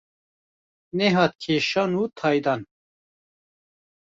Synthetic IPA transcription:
nɛɦɑːt̪̚kʰeːʃɑːnuːt̪ʰɑːjd̪ɑːn

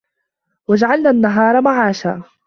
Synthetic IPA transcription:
wad͡ʒaʕalnaːʔanːaɦɑːɾˤɑmaʕaːʃaː

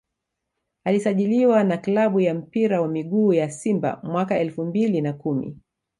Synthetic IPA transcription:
alisaʄiliwanaklaɓujam̩piɾawamiɠuːjasimba̰mwakaɛlfumbilinakumḭ

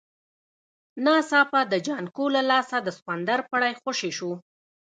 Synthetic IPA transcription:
nɑsɑpad̪əd͡ʒɑnkolalɑsad̪əsxwand̪aɾpaɽajxaʃeʃu

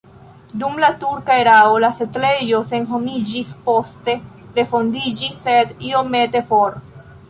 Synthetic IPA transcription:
dumlatuɾkaeɾaolasetle̞jo̞se̞nɦo̞mid͡ʒispo̞ste̞ | ɾe̞fo̞ndid͡ʒisːe̞dio̞me̞te̞fo̞ɾ

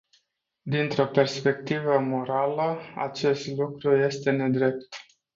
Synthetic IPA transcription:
d̪int̪ɾo̞pe̞rspe̞k̚t̪ivəmo̞ɾaləa̰t͡ʃe̞st̪lukɾuje̞st̪e̞ne̞d̪ɾe̞p̚t̪

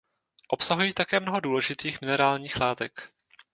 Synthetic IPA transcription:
ʔo̞psaɦujiːt̪akɛːmno̞ɦo̞duːlɛʒɪt̪iːxmɪnɛɾaːlɲiːxlaːt̪ɛk

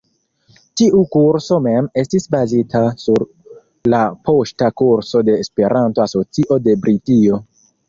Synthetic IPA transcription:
tiʔukuɾso̞me̞me̞stisbazitasuɾ | lapo̞ʃtakuɾso̞de̞ːspe̞ɾʔanto̞aso̞t͡siʔo̞de̞bɾitio̞

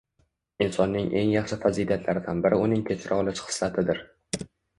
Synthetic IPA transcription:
ɪnsɒnːɪŋʔe̞ŋjɑχʃɪfazid̪at̪ʰlaɾɪd̪anbɪɾɪʊnɪŋkʲʰet͡ʃʰɾɒlˠɪʃχɨ̥slat̪ʰɪd̪ɪɾ

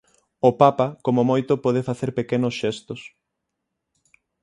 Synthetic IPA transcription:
ʊpapakomomojt̪ʊpɔð̞efaθeɾpekenʊsʃest̪ʊs

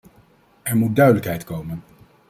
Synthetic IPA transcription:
ɛɹmut̚dœɥdələkɦɛjtkowmən

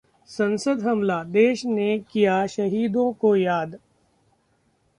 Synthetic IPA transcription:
sɐ̃nsəd̪ɦɐmlad̪eːʃnekijaʃɐɦiːd̪õkojaːd̪

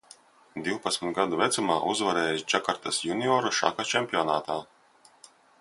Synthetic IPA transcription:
d̪iwpat̪sʲmit̪ɡad̪uvɛt̪sumaːʔuzvaɾɛːjisd͡ʒakaɾt̪asjuniɔːɾuʃa̰kat͡ʃɛmʲpʲiɔnaːt̪aː

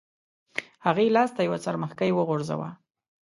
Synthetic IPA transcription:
haɣelɑst̪ajawat͡saɾməxkajwəɣoɾza̰wa̰

